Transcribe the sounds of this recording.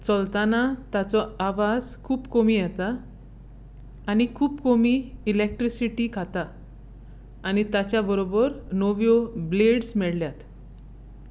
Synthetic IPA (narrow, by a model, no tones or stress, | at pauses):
t͡səlt̪anat̪at͡sɔaʋad͡zkʰuːpkomiːjɛt̪a | ñikʰuːpkomiːlek̚ʈɾisiʈiːkʰat̪a | ñit̪at͡ɕjabəɾobəɾnoʋjobleɽsmɛɭljat̪